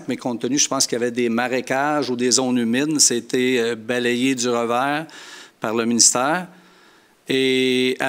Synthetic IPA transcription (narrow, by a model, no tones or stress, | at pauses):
kmɛkɔ̃t̪ːənyʒəpɑ̃skʲjavɛd̪emaʁekʲaʒud̪ezɔ̃nymɪd̪saet̪ʰebalejed͡z̪yʁəvɛːʁpaʁləminist̪ɛːʁ | ea